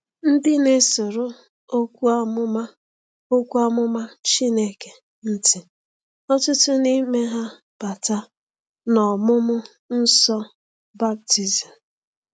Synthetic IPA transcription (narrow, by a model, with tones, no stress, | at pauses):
n̩˦dɪ˦ne˦sʊ˨ɾʊ˦ | o˦kʷu˦a˦mʊ˦ma˦ | o˦kʷu˦a˦mʊ˦ma˦t͡ʃi˦ne˦ke˨ | n̩˦tɪ˨ | ɔ˦tʊ˦tʊ˦ni˦me˦ɦa˦ | b̥a˨ta˦ | nɔ˨mʊ˦mʊ˦ | n̩˦sɔ˦ | ba˦b̚ti˨zi˨m˨